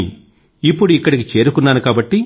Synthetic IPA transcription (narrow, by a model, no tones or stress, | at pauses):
ḭ | ipːuɽuikːɐɽikit͡ʃe̞ːɾukunːaːnukaːbɐʈːi